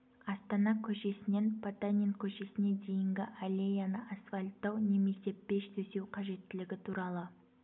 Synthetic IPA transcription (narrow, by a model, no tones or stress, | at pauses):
ɑst̪ɑnɑkʲʰɵʃe̞sɪne̞npʰat̪anʲenkʲʰɵʃe̞sɪne̞d̪e̞jɪŋɡʲɪʔalʲejanəʔasfalʲt̪ːɑwne̞me̞se̞be̞ʃt̪ʰɵse̞wqʰɑʒe̞t̪ːɪlɪɡʲɪt̪ʰuɾɑlˠə